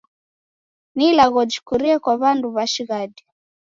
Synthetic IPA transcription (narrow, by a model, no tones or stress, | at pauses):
nilaɣɔd͡ʒikuɾiɛkwaβanduβaʃiɣadi